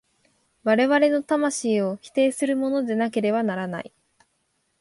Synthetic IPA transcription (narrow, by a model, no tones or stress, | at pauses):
βaɾe̞βaɾe̞no̞t̪amaɕiːo̞çi̥t̪e̞ːsɨɾɯ̟mo̞no̞d̪e̞nake̞ɾe̞βanaɾana̰i